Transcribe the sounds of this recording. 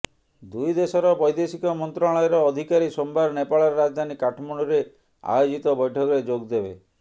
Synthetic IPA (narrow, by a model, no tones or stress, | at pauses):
d̪ujd̪esɔɾɔbɔjd̪esikɔmɔnt̪ɾaɭɔjɔɾɔːd̪ʱikaɾisombaɾnepaɭɔɾɾad͡ʒd̪ʱanikaʈʰɔmɔɽ̃uɾe | a̰jod͡ʒit̪ɔbɔjʈʰɔkɔɾed͡ʒoɡd̪ebe